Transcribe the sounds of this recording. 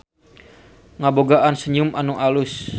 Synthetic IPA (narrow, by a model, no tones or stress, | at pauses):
ŋaboɡaʔansəɲumʔanuʔalus